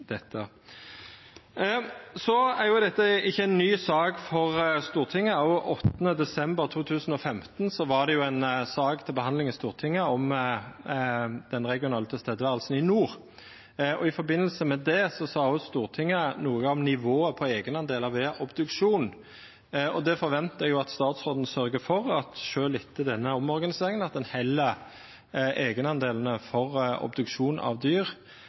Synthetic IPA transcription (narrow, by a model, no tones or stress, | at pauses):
d̪̥ɛt̪ʰːə | sɔæɾjʊd̪ɛt̪ːəɪçːəɛɪnːyːsɑːɡfɔʁst̪uːʁt̪ʰɪŋːəɔʔɔt̪ːənəd̪ɛsɛmbəʁt̪ʰuːt̪ʰʉːsən̩ɔfɛmt̪nsɔʋɑʁd̪ɛjʊɛɪnsɑːɡt̪ʰɪlbəhɑnd̪lɪŋɪst̪uːʁt̪ʰɪŋːəɔm | d̪̥ɛnʁɛɡɪʊnɑːlt̪əst̪eːd̪əʋæːʁəlsn̩ɪnuːʁ | ʔɔɪfɔɾbɪnːəlsəmɛd̪ɛsɔsɑːʉst̪uːʁt̪ʰɪŋːənuːəɔmnɪʋoːəpʰɔeːɡənɑnd̪eːlɑʋeːʔɔbd̪ʉkʃuːn | ɔd̪ɛfɔɾʋɛnt̪əjʊɑt̪st̪ɑːt̪sʁoːd̪n̩sœɾɡəfɔʁɑt̪ʃøːlɪt̪ʰːəd̪ɛnːəɔmɔɾɡɑnɪseːɾɪŋənɑt̪̚d̪ɛnhɛlːə | ʔeːɡənɑnd̪eːln̩əfɔʁɔ̰bd̪ʉkʂuːnɑ̰ʋd̪yːʁ